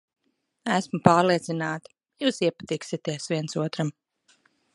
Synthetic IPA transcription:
æsmupaːɾliɛt̪sinaːt̪i̥ | juːsiɛpat̪iːksit̪iɛsviɛnsuɔt̪ɾam

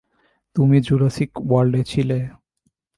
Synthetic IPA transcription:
t̪umid͡ʑuɾasikwaɾɖet͡ɕʰile

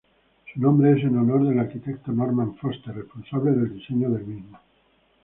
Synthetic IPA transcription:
sunombɾeɛs̬inonoɾd̪elarkit̪ɛkt̪onɔrmanfost̪erːesponsabiled̪eld̪iseɲːod̪elminːo

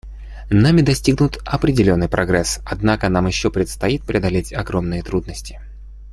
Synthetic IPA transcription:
namʲɪd̪ɐsʲtʲiɡnʊt̪ɐpɾʲɪdʲɪlʲo̞nːɨjpɾɐɡɾɛsɐd̪nakənamjɪɕːopɾʲɪt̪st̪ɐit̪̚pɾʲɪɐd̪ɐlʲetʲɐɡɾomnɨjət̪ɾud̪nəsʲtʲɪ̥

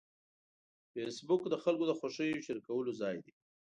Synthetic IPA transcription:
fesbʊkd̪əxalkod̪əxaʂəjoʃəɾikawəlozɑjd̪i

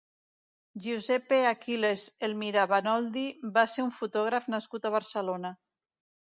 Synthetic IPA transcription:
ʒuzɛpeakilezelmiɾaβanɔld̪ibaseɾuɱfut̪ɔɣ̞ɾafnaskut̪aβaɾsəlona

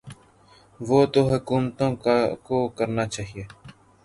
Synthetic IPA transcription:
ʋoːt̪oːɦʊkuːmt̪õːkoːkəɾnaːt͡ʃaːɦieː

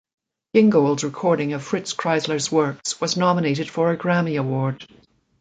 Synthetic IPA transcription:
ɡɪ̃ŋɡoʊlˠdzɹɨkʰɔɹɾɪ̃ŋʌv̥fɹɪtskʰɹ̥aɪzlə˞zwɜ˞kswʌznɑməneɪɾɨd̥fə˞ɨɡɹæmiəwɔɹd̥

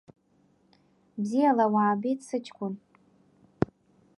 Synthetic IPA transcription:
bzijalawaːbitʼsɨt͡ʃʰʼkʷʼʊn

